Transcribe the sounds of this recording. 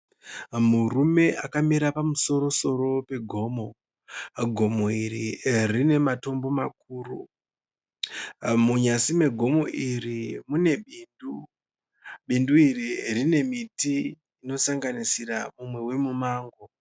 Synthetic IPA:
murume̞ʔakamiɾapamuso̞ɾo̞so̞ɾo̞pe̞ɡʱo̞ːmo̞ | ɡʱo̞moiririne̞mato̞mbo̞mak̚uːru | muɲasime̞ɡʱo̞mo̞ʔirimune̞ɓiːndu | ɓinduiririne̞mitiː | no̞saŋɡanisiramumwe̞we̞mumaːŋɡo̞

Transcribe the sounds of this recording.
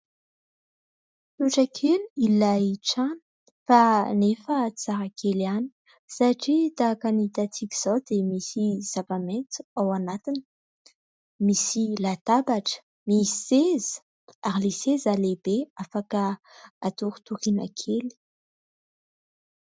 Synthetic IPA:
t̪uʈ͡ʂakʰeliilaʈ͡ʂanə̥ | fanefət͡saɾakʰelani̥ | saʈ͡ʂit̪akanit̪at͡s̪ikiz̥owd̪̥emisiz̥avament̪u̥awanat̪inə̥ | misilat̪abaʈ͡ʂə̥ | misez̥ | aɾilesezalebeafakə | at̪uɾu̥t̪uχina̰kʰeli̥

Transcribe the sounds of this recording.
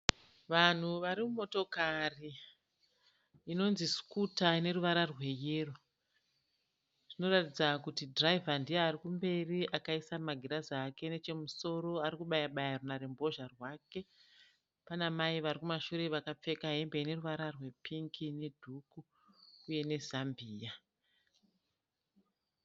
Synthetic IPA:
ʋan̤uʋaɾimumo̞to̞kari | no̞nziskutane̞ɾuʋaɾarwe̞jeːro | ʐ̥ino̞ratid͡zakutidraivʱandijeːɾikumbe̞riʔakaisamaɡʱiɾazake̞ne̞t͡ʃe̞muso̞ɾo̞aɾikuɓajaɓajarunaɾembo̞ʒarwake̞ | panamaiʋaɾikumaʃuɾe̞ʋakap͡fe̞kaɦembene̞ruʋaɾarwe̞pʰiŋkʰine̞dʱukuː | je̞ne̞zambʱiːja

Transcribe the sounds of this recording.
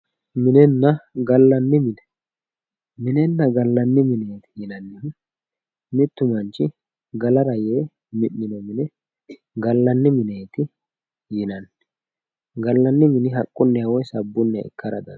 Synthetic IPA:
mɪnɛnːɐɡɐlːɐnːɪmɪnɛ | mɪnɛnːɐɡɐlːɐnːɪmɪneːt̪ɪ̥jɪnɐnːɪ | mɪt̪ːʊmɐnt͡ʃːɪ | ɡɐlɐɾɐjeː | mɪnːɪnɔmɪnɛ | ɡɐlːɐnːɪmɪneːt̪ɪ | jɪnɐnː | ɡɐlːɐnːɪmɪnɪɦɐkʼːʊnːɛjawɔjsɐbːʊnːɛ̰ɪ̰kːɐɾɐ̰d̪ɐ̰n

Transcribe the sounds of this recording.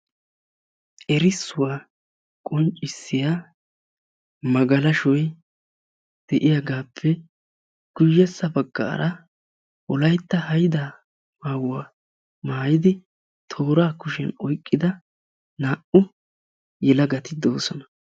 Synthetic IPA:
ʔɛɾɪsːʊwaː | kʼɔnt͡ʃʼːɪsːɪjaː | mɐɡɐlɐʃɔj | d̪̥ɛʔɪjaɡaːpʰːɛ | ɡ̥ʊjːɛsːɐbɐɡːa̰ːɾɐ | wɔlɐjt̪ːɐhɐjd̪a | maːwːaː | maːjɪd̪ɪ | t̪ʰo̞ːɾaːkʊʃɛ̰nɔjkʼːɪd̪ɐ | naːʔʊ | jɛlɐɡɐt̪ɪd̪oːsɔnɐ̥

